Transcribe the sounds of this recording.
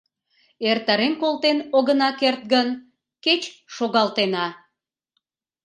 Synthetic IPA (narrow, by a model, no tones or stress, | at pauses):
ert̪əɾenkolt̪enoɣənɑkert̪̚ɡən | ket͡ɕʃoɣɑlt̪enɑ